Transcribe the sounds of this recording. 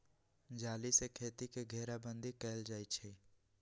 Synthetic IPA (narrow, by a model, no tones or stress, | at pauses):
d͡ʒaːlisekʰeːt̪ikeɡʱɛːɾabə̃nd̪ʱikɛːld͡ʒaːit͡ʃʰiː